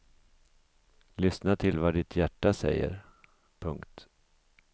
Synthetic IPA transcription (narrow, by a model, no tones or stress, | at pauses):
lʏsnat̪ʰɪlvaɖɪt̪ʰjæʈːasɛ̰jːə̰ɾ | pʰɵŋkt̪